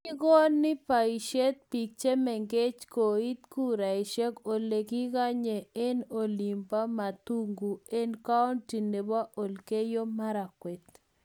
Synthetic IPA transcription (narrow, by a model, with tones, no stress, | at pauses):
i˦ɡɔ˦nːɪ˦pa˨i˨ʃe˦t̪̚pi˨k̚t͡ʃe˦mɛ˨ŋɡe˦t͡ʃko˨i˦t̪ku˦ɾa˨i˨ʃɛ˦ko˨le˨ki˦ɡa˦ɲe˨e˦no˨li˨mpa˦ma˨t̪u˦ŋɡu˨e˦nka˦ɔ˦nti˨ne˨ba˦ʔo˨lke˦jo˦ma˦ɾa˨kwɛ˨t̪